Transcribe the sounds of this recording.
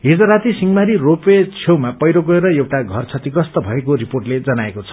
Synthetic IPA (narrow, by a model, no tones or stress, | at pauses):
ɦid͡zʌɾat̪isiŋɡmaɾiropet͡sʰewmapʌjɾoɡʌeɾʌewʈaɡʱʌrt͡sʰʌt̪ikʌst̪ʌbʱʌekoɾiporʈled͡zʌnaekot͡sʰʌ̥